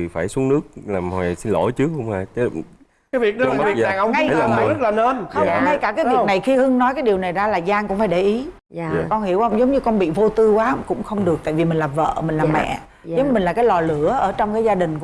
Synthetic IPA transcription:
i˨˩faː˧˩jsu˨˦əŋnɨ˦˥ək̚laː˨˩mhaː˨˩si˧nlo̰˧˩jt͡ɕɨ˦˥k̚hə˧wŋ͡maː˧˩t͡ɕe˧˦ | kaː˨˦vi˨˩ək̚ɗvi˨˩ɗa˨ŋʔə˧wŋ͡mŋa˧jaː˨˩˨zə˦˥t̚laː˨˩nəː˧n˧ŋa˧jkaː˧˩kaː˨˦jvi˨˩k̚na˨˩jxi˧hɨ˧ŋnɔ˨˦jkaː˨˦jɗi˨˩əwna˨˩jzaː˧laː˨˩zaː˧ŋkʊ̰˧˥ŋ͡mfaː˧˩jɗe˧˩ʔi˨˦˨ | kɔ˧nhi˧˩əwə˧wŋ͡mzə˨˦wŋ͡mɲɨ˧kɔ˧nɓḭ˧˨vo˧t̪ɨ˧kwaː˨˦kʊ̰˧˥ŋ͡mxə˧wŋ͡mɗɨ˨˩ək̚t̪a̰ː˧˨vi˨˩mi˨˩ŋ̟laː˨˩və̰ː˧˨mï˨˩ŋ̟laː˨˩mɛ̰˧˨ | zə˨˦ŋ͡mmï̟˨˩laː˨˩kaː˨˦jlɔ˨˩lɨ˧˥əʔəː˧˩t͡ɕɔ˧wŋ͡mkaː˨˦jzaː˧ɗï˨˩ŋ̟˧

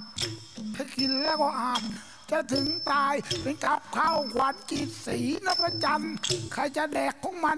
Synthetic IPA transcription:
t̪ʰa˧˩kʰi˧nlɛː˦˧˩wkɔː˧˩ʔaː˨˩t̪̚ | t͡ɕa˧˨˩t̪ʰɯ˨˦ŋt̪aː˧jpe˧nka˧˦˥p̚kʰaː˧˩wkʰwaː˨˦nkiː˨˩t̪̚siː˨˦na˦˧˥pa˧t͡ɕa˧mkʰa˧˩jt͡ɕa˧dɛː˨˩kʰːɔː˨˦ŋma˧˥

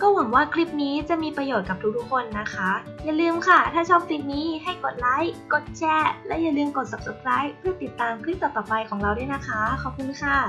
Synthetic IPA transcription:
kɔː˥˩wa˩˦ŋwaː˥˩kʰli˦˥p̚niː˦˥t͡ɕa˨˩miː˧pɾa˧joː˨˩t̪̚ka˨˩p̚t̪ʰu˦˥t̪u˦˥kʰo˧nːa˦˥kʰa˦˥ | ja˨˩lɯː˧mkʰa˥˩t̪ʰaː˥˩t͡ɕʰɔː˥˩p̚si˦˥t̚niː˦˥ɦa˥˩jko˨˩t̪̚la˦˥jko˨˩t̪̚t͡ɕʰɛː˦˥lɛː˦˥wja˨˩lɯː˧mko˨˩t̪̚sa˨˩p̚sa˨˧˩kʰɾaː˦˥jpʰɯ˥˩ɐt̪i˨˩t̪ːaː˧mkʰli˦˥p̚t̪ɔː˨˩t̪ɔː˨˩pa˧jkʰɔː˩˦ŋɾa˧wdu˥˩jna˦˥kʰa˦˥kʰɔ˧˩pʰuː˧˩˥kʰa˥˩

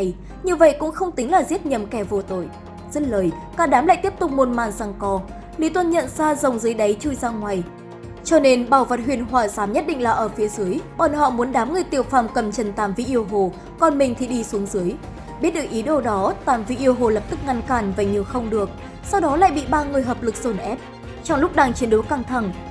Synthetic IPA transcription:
j | ɲi˧əvə̰˧˨jkʊ̰˧˥ŋ͡mxə˧wŋ͡mt̪ï˨˦ŋ̟laː˨˩zi˦˥ət̚ɲə˨˩mkɛ˧˩vo˨˩t̪o˧˩j | z̥ə˦˥t̚ləː˨˩j | kaː˨˧˩nɗaː˨˦mla̰ː˧˨jt̪i˦˥əp̚t̪ʊ˨˩k͡p̚mo˨˩t̚maː˨˩nzaː˧ŋkɔ˧ | li˨˦t̪wə˧nɲə̰˧˨nzaː˧zə˨˩wŋ͡mzɨ˨˦jɗə˨˦jt͡ɕu˧jzaː˧ŋwaː˨˩j | t͡ɕɔ˧ne˧nɓaː˨˩wvə˨˩t̚hɦwi˨ənɦwaː˨˩saː˨˦mɲə˦˥t̚ɗḭ̈˧˨ŋ̟laː˨˩ʔəː˧˩fi˨˦əzɨ˨˦əjɓɔ˨˩nhɔ̰˧˨mu˨˦ənɗaː˨˦mŋɨ˨˩əjt̪i˨˩ə˩wfaː˧˩mkə˨˩mt͡ɕə˨˩nt̪aː˨˩mvḭ˧˥ʔi˧əwɦo˨˩ | kɔ˧˩nmï˨˩ŋ̟t̪ʰi˨˩ɗi˧su˨˦əŋzɨ˨˦əj | ɓi˦˥t̚ɗɨ˨˩ək̚ʔi˨˦ɗo˧ɗɔ˨˦t̪aː˨˩mvḭ˧˥ʔi˧əwɦo˨˩lə˨˩p̚t̪ɨ˦˥k̚ŋa˧nkaː˧˩nvaː˨˩ɲi˨˩əwxə˧wŋ͡mɗɨ˨˩ək̚ | sa˧wɗɔ˨˦la̰ː˧˨jɓḭ˧˨ɓaː˧ŋɨ˨˩əjɦəː˨˩p̚lɨ˨˩k̚z̥o˧˩nʔɛ˦˥p̚ | t͡ɕɔ˧wŋ͡mlʊ˦˥k͡p̚ɗaː˧ŋt͡ɕi˨˦ənɗo˨˦kaː˧˩ŋt̪ʰa˧˩ŋ

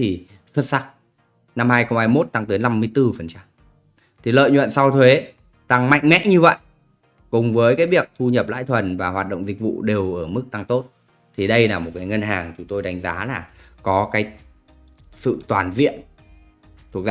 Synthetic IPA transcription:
t̪ʰi˨˩ | swə˦˥t̚sa˦˥k̚ | na˧mhaː˧jxə˧wŋ͡mhaː˧jmo˦˥t̚t̪a˧ŋt̪əː˨˦jna˧mːɨ˧əjt̪ɨ˧fə˨˩nt͡ɕa˧m | t̪ʰi˨˩lə̰ː˧˨jɲwə̰˧˨nsa˧wt̪ʰwe˨˦ | t̪a˧ŋma̰˧˨jŋ̟mɛ̰˧˥ɲɨ˧və̰˧˨j | kʊ˨˩ŋ͡mvəː˨˦jkaː˨˦jɓi˨˩ək̚t̪ʰu˧ɲə˨˩p̚la̰ː˧˥jt̪ʰwə˨˩nvaː˨˩ɦwaː˨˩t̚ɗə̰˧˨ŋ͡mzï˨˩k̟̚vṵ˧˨ɗe˨˩wʔəː˧˩mɨ˦˥k̚t̪a˧ŋt̪o˦˥t̚ | t̪ʰi˨˩ɗə˧jlaː˨˩mo˨˩kaː˨˦jŋə˧nɦaː˨˩ŋt͡ɕʊ˨˦ŋ͡mt̪o˧jɗa˨˦jŋ̟zaː˨˦laː˨˩kɔ˨˦kaː˨˦j | sɨ̰˧˨t̪waː˨˩nzḭ˧˨ən | t̪ʰu˨˩ək̚ː

